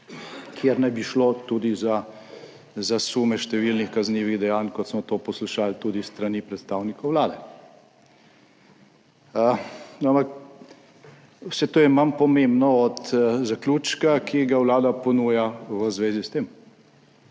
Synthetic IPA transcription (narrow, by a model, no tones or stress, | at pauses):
kʰjeɾnajbiʃlot̪uːd̪iza | zasuːmɛʃt̪ɛʋilnixkazniːʋiɣd̪ɛjaːnkɔt̪smɔt̪oːpɔsluʃaːlt̪uːd̪ist̪ɾanipɾɛt̪st̪awnikɔwwlaːd̪ɛ | ənampak | wsɛt̪oːjɛmampɔmembnɔɔt̪zakluːt͡ʃkakʰiɡawlaːd̪apɔnuːjaʋəzʋeːzist̪eːm